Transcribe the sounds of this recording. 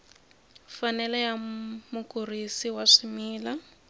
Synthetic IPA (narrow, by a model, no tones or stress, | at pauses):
fanɛlɛjamukurisiwaʂimiːla